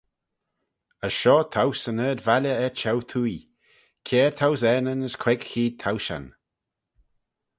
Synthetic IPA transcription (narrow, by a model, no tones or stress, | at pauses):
əʃɔːt̪ʰawsənəːd̪valəɛt͡ʃʰɛwt̪ʰuj | kʰɛːɹt̪ʰawzɛnənəskʰwɛɡxiːd̚t̪ʰawʃa̰n